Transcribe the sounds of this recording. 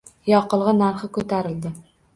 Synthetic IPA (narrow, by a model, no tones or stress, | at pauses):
jɒqɤ̆lˠʁɤnæɾχəkɵt̪æɾɪ̆ld̪ɪ